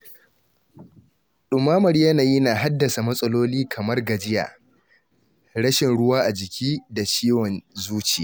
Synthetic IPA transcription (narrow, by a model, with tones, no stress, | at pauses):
ɗʊ˨mːaː˦mɐ˨ɾjɐ˦naː˨ji˦naː˨ɦa˦dːɐ˨sa˨mɐ˦sʼɐ˦loː˦liː˦kʰɐ˨mɐ˦rɡɐ˨d͡ʒɪ˦ja̰ː˨ | ɽɐ˦ʃɪ˨nɽʊ˦waː˦ʔa˨d͡ʒɪ˨kʲʰiː˦da˨t͡ʃiː˦wɔ˨nzuː˦t͡ʃḛː˨